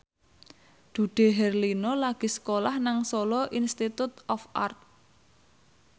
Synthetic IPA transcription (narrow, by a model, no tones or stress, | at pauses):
d̪̥ṳɖ̥e̤ɦɛrlinɔlaɡ̥i̤sə̥kolahnaŋsolɔʔinst̪it̪ut̪̚ɔfʔa̰rt̪̚